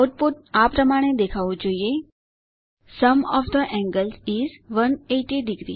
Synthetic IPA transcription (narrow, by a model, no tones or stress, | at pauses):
oʈ̚puʈapɾəmaɽ̃ed̪ekʰaʋũd͡ʒoie | səmɔʋd̪əʔɛ̃ŋɡəlsizʋəneʈiɖiɡɾḭ